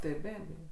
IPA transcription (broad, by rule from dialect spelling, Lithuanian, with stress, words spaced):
tɐɪ ˈbʲæːbʲeːjoː